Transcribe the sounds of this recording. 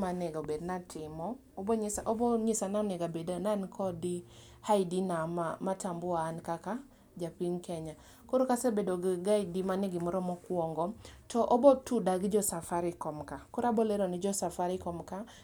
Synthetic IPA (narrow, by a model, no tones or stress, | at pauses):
manɛɡabednatʰɪmɔːbɔɲsaɔbɔɲɪsananɛɡabednankʰɔdi | haidinamamatambʊaːnkaka | d͡ʒapinkɛɲa | koɾokasebedɔɡɡaidimanɪɡɪmɔɾɔmɔkwɔŋɡɔtɔʔɔbɔtudaɡd͡ʒɔsafaɾɪkɔmkakɔɾabɔleɾɔnɪd͡ʒɔsafaɾɪkɔmka